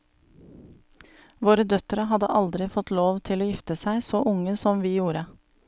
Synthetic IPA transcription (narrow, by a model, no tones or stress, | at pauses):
ʋoːɾəd̪œt̪ɾəɦɑd̪ə̰ʔɑld̪ɾɪfɔt̪loːʋt̪ʰɪloːjɪft̪əsæɪsoːʔʊŋəsɔmʋiːjuːɾə